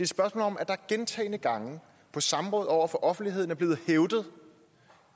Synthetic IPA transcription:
d̥e̝d̥sb̥ɶɐsmɔ̰ːlɒ̽mʔæd̥ɑ̈æɐɡ̥ent͡sʰɛ̰ːɪnəɡ̥ɑ̈ŋə | pʰɒ̽sɑ̈mʁɔ̽ːð̩ˠɒʊ̰ɐfɒ̽ʔɒ̽fn̩d̥iɦe̝ð̰ˠn̩æɐb̥le̝ːð̩ˠheʊd̥ð̞̩ˠ

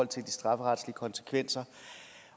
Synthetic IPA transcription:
ɒl̰t͡sʰe̝ld̥isd̥ʁɑ̈fəʁɑ̈d̥sliəkʰɒ̽nsə̥kʰʋen̰sɐ

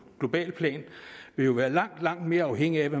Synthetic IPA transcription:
ɡ̥lo̝b̥ɛ̰ːlpʰlɛ̰ːnʋe̝jo̝ʋæːɐlɑ̈ŋ̰d̥lɑ̈ŋ̰d̥me̝ːɐɑ̈ʊɦeŋ̰iæʋe

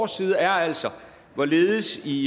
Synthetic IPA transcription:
siːð̞ˠæɐæl̰sɒ | ʋɒle̝ːð̩ˠəsi

